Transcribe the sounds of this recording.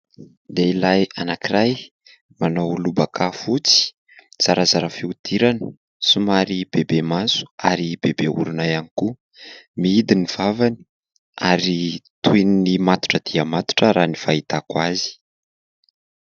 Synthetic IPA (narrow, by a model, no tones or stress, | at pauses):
d̪eilajanakiraj | manowlubakʰafut͡si̥ | t͡saɾazaɾafiud̪̥iɾanə̥ | sumaɾib̥ebemazu̥aɾibebeṵɾunajaniku | miid̪iniv̥avani̥ | aɾit̪ueninimat̪u̥ʈ͡ʂəd̪̥iəmat̪u̥ʈ͡ʂəɾanifait̪akwazi̥